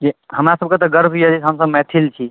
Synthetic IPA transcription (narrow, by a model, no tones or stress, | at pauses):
d͡ʒiɦəmɾasəb̚ket̪ɔɡəɾbʱijɛd͡ʒiɦəmsəbmɛt̪ʰilt͡ʃʰi